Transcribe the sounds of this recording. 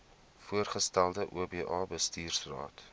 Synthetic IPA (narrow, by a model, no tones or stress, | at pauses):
fuərχəstælˠdəʔuəbeːʔɑːbəstiːrsrɑ̰ːt